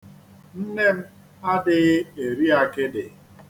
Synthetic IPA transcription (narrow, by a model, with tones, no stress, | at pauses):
n̩˦ne˦m̩˦ | a˦dɪ˨ɣe˨ɾi˦a˨kɪ˦dɪ˨